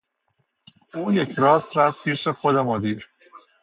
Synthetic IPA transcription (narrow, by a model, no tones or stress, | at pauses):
uːjecʰɾɒːst̪ɾævpʰiːʃexod̪emod̪iːɾ